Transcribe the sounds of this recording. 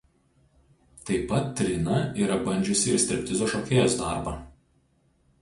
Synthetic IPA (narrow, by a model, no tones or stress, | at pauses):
t̪ɐɪpːɐt̪ːʲɾʲɪnɐiːɾɐbɐnʲd͡ʒʲʊsʲɪsʲt̪ʲɪɾʲpʲt̪ʲɪzoːʃoːkʲeːjosd̪ɑ̰ˑɾbɑː